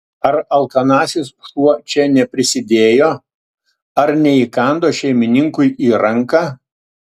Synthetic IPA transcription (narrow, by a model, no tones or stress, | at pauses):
ɐɾɐlˠkɐnɑːsʲɪsʃuɔt͡ʃʲɛnʲɛpʲɾʲɪsʲɪd̪ʲeːjoː | ɐɾnʲɛiːkɐnd̪oːʃʲɛɪmʲɪnʲɪŋkʊɪiːɾɐŋkɑː